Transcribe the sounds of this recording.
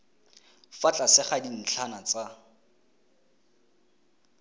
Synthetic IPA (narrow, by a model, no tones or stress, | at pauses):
fat͡ɬʼasɪχadin̩t͡ɬʰanat͡sa